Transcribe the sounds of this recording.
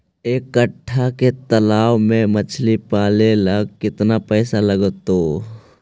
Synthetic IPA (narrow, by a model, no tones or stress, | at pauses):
ekːəʈʰːaket̪ɐlaːwmẽmət͡ʃʰlipaːleləɡkɪt̪napɛːsaləɡt̪oː